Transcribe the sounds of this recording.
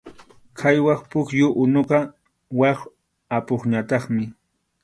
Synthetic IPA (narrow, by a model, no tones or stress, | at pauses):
kʰajwɑχpʊkjʊʔʊnoqɑ | wɑχ | apoχɲat̪ɑχmɪ